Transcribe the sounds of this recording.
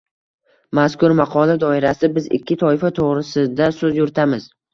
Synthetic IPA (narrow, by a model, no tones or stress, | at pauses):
maskʊɾmaqʰɒlad̪ɒɪɾasɪbɪzɪ̰kʲːɪt̪ʰɒɪfat̪ʰoʁɾɪsɪd̪asɵzjʊɾt̪ʰamɪz̥